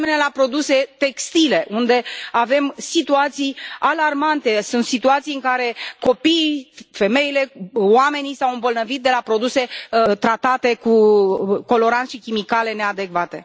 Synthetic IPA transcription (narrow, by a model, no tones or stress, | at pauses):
menelapɾo̞d̪use̞t̪e̞kst̪ile̞ʔund̪e̞ave̞msit̪uat̪sijalarmant̪e̞sunt̪sit̪uat̪sijɨŋkaɾe̞ko̞piːfe̞me̞ile̞oame̞nisawɨmbo̞lnəvit̪̚d̪e̞lapɾo̞d̪use̞t̪ɾat̪at̪e̞kuko̞lo̞ɾant̪ʃikʲimikale̞ne̞ad̪e̞kvat̪e̞